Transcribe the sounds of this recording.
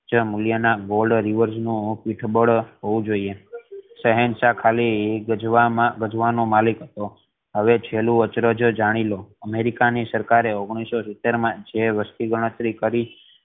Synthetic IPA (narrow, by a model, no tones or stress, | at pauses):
d͡ʒəmuljənaɡolɖɾiʋəɾd͡ʒnũpiʈʰbəɽɦoʋũd͡ʒoiesəɦɛnsakʰaliəd͡ʒamaɡəd͡ʒʋanomalikɦət̪o | ɦəʋet͡ʃʰelũət͡ʃɾəd͡ʒd͡ʒaɽ̃iloəmeɾikanisəɾkaɾeoɡɽ̃isosit̪ːeɾmãd͡ʒeʋəst̪iɡʱəɽ̃ət̪ɾikəɾi